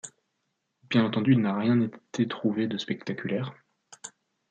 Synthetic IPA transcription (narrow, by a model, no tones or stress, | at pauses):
bjɛ̃nɑ̃t̪ɑ̃d̪yilnaʁjɛ̃net̪ʰet̪χuved̪əspɛkt̪akʲʰylɛːʁ